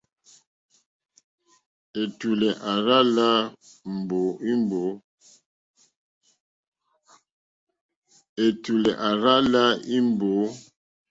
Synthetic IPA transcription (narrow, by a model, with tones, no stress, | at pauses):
e˨tu˨lɛ˨ʔa˨ɾa˦ʔla˦m̩˨bo˨˦i˦m˦bo˨˦ | e˨tu˨lɛ˨ʔa˨ɾa˦ʔla˦i˦mbo˨˦